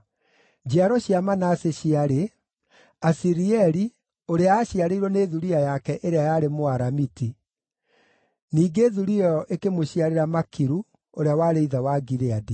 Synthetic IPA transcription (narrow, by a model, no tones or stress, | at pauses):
d͡ʑiaɾɔɕiamanaseɕiaɾe | asiɾiɛɾi | oɾeaːɕiaɾeiɾɔneːðuɾiajakɛʔeɾeajaɾemoaɾamiti | niːɡeːðuɾiɔɔʔekemoɕiaɾeɾamakiɾu | oɾeawaːɾeiðawaɡiɾeadi